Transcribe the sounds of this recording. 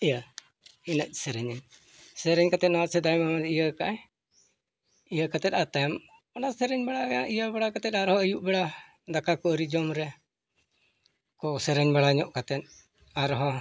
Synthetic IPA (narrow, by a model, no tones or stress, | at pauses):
ija | inəc̚ˀsɛɾɛɲɛɲ | sɛɾɛɲkat̪ɛt̪̚nɔwasɛd̪ajmamad̪ɛijakaʔɛ | ijakat̪ɛt̪̚ˀat̪ajam | ɔnasɛɾɛɲbɛɽaaʔijabɛɽakat̪ɛt̪̚aɾhɔəjuʔbɛɽa | d̪akʰakɔɾid͡ʒɔmɾɛ | kɔsɛɾɛɲbɛɽaɲɔʔkat̪ɛt̪̚ | aɾɦɔ